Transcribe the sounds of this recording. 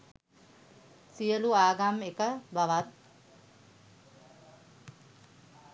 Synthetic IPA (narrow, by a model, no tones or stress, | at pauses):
sijəluaːɡamekəbaʋat̪̚